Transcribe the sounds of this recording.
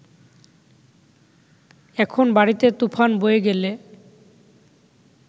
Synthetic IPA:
ɛkʰonbaɽit̪et̪upʰanbojeɡele

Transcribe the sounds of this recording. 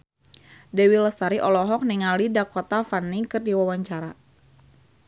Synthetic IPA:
dɛwiləst̪aɾiʔɔlɔɦɔk̚niŋalidakɔt̪afanːikɨrdiwawaɲt͡ʃaɾa

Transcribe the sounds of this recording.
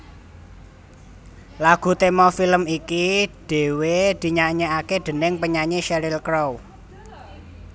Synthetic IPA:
laɡ̥ṳt̪emɔfiləmikiɖ̥e̤wed̪̥i̤ɲaɲeakeɖ̪̥ə̤nɪŋpəɲaɲeʃɛɾilkɾow

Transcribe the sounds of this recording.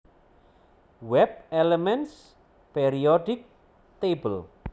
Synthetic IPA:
wɛb̚ɛlɛmɛns | pɛɾiɔɖɪk̚ | t̪ebəl

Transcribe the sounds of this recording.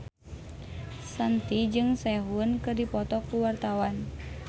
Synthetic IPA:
sant̪id͡ʒɨŋsɛɦuənkɨrdipɔt̪ɔkːuwart̪awan

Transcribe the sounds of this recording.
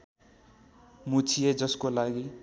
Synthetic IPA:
mut͡sʰijed͡zʌskolaɡi

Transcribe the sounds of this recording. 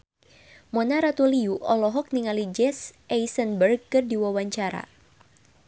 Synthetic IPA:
mɔnaɾat̪uliuʔɔlɔɦɔk̚niŋalid͡ʒɛsɛjsənbərɡ̚kɨrdiwawaɲt͡ʃaɾa̰

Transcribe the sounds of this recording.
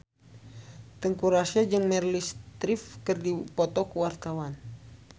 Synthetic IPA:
t̪əŋkuɾasad͡ʒɨŋmɛrlist̪ɾifkɨrdipɔt̪ɔkuwart̪awan

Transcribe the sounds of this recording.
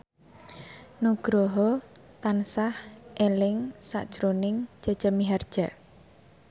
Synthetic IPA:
nuɡ̥ɾoɦɔ | t̪ansahʔelɪŋsa̰ʔd̥ʒ̥ɾonɪŋd͡ʒ̥a̤̥d͡ʒ̥amiɦard̥ʒ̥a̤

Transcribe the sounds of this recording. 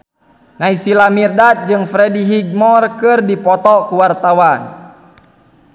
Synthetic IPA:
naisilamirdat̪̚d͡ʒɨŋfɾɛdiɦiɡ̚mɔrkɨrdipɔt̪ɔkuwart̪awan

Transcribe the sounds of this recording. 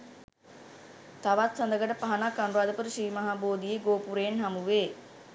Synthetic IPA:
t̪aʋat̪sand̪əɡəʈəpaɦanakːanuɾaːd̪əpəɾəʃɾiːmaɦaboːd̪ijeɡoːpuɾeːnɦamuʋeː

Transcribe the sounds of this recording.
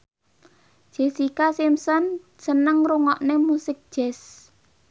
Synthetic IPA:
ʒ̥esikasimsɔn | sənəŋruŋɔʔnemusɪk̚d̥ʒ̥ɛs

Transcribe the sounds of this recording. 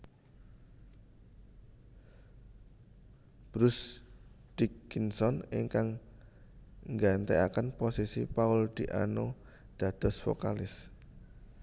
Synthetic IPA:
b̥ɾʊs | d̪̥ikːinsɔniŋkaŋ | ŋɡant̪eakənposisipaʊld̪̥iʔa̰no | d̪̥ä̤d̪̥ɔ̤sfo̰kalɪs

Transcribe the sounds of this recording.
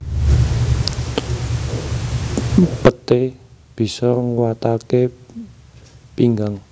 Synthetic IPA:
pət̪eb̥i̤sɔŋwat̪ake | piŋɡaŋ

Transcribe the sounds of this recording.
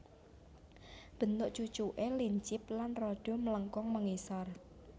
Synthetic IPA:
b̥ə̤nt̪ʊʔt͡ʃut͡ʃuʔeliɲt͡ʃɪp̚lanrɔɖ̥o̤mələŋkɔŋmaŋesɔr

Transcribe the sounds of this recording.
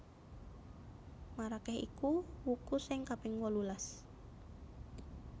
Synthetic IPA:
maɾakɛɦḭkuwukusɪŋkapɛŋwɔlulas

